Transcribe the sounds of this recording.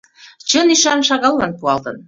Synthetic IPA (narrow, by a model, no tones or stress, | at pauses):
t͡ɕə̆niʃɑnʃɑɣɑlːɑnpuɑlt̪ɤ̰̆n